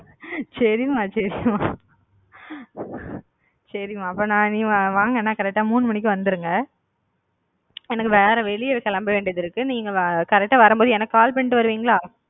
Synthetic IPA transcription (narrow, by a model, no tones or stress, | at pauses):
sɐɾɪjɯmaːsɐɾɪjmaː | sɐɾɪmaːɐpːoːnãːniːaʋaːŋɡɐnːaːkɐɾɛk̚ʈːaːmuːnːɯmɐnɪk̬ʲːɯ̃ʋɐnd̪ɯɾɯŋɡɐ | ɛnɐkːɯʋeːɾɐʋɛɭɪjɐɪɾɯkːɐlaːmbɐʋeːɳɖɪjɐðɪɾɯkːɯniːŋɡɐkɐɾɛk̚ʈːaːʋɐɾɯmpboːðɯɛnɐkːɯkaːlpɐɳːʈːɯʋɐɾɯʋiːŋɡɐɭaː